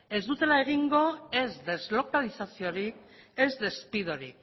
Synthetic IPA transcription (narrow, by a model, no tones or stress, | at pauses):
e̞zd̪ut̪e̞lae̞ɣ̞iŋɡo̞e̞zd̪e̞zlo̞kalisasio̞ɾikezd̪e̞spiðo̞ɾḭk